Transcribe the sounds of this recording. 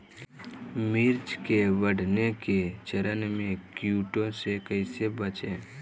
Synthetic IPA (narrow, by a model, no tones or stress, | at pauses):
mɪɾd͡ʒkeʋəɽ̤ʱneket͡ʃəɾənmẽkjuːʈõsekəɪsebət͡ʃeː